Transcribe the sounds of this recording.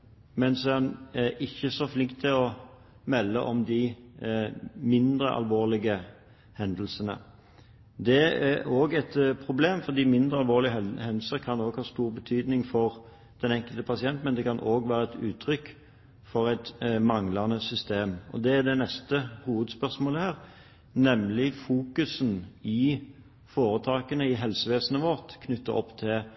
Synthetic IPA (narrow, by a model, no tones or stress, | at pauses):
mɛnsɔɛnɛɾɪçːəsɔflɪŋkt̪ʰːɪlɔ | mɛlːə̰ʔɔmd̪ɪ | mɪnd̪ɾəʔɑ̰lʋoːʁlɪɡə | hɛnd̪l̩sənə̰ | d̪ɛæoːɡɛt̪pʰɾʊbleːmfɔʁd̪iːmɪnd̪ʁəɑlʋoːʁlɪhɛnd̪l̩səʁkʰɑnoːɡhɑːst̪uːʁbət̪ʰyːd̪nɪŋfɔʁ | d̪̥ɛnɛŋkəlt̪əpʰɑsɪɛnt̪mɛnd̪ɛkɑnʔoːɡʋæːɾəɛt̪ʉ̰ːt̪ʰɾʏkː | fɔɾæɪt̪mɑŋlɑnəsʏst̪eːmɔ̰d̪ɛːd̪ɛnɛst̪əhuːʋəd̪spœʁʂmoːləhæːʁ | nɛmlɪfuːkʉsənɪ | foːɾət̪ʰɑːkənəɪɦɛlsəʋeːsənəʋɔʁt̪kʰnʏt̪ːə̰ʔɔ̰pːt̪ʰɪ